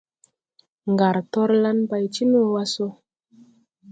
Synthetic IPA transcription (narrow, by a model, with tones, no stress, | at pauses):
ŋɡa˨ɾtɔ˦ɾla˧npa˨jt͡ʃi˦nu˦˨wa˧so˧